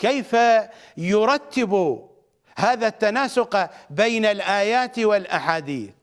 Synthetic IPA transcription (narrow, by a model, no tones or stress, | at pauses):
kejfajʊɾˤɑt̪ːɪbu | haːðat̪ːanaːsʊqbejnalʔaːjaːt̪wɪlʔaħaːd̪ḭːθ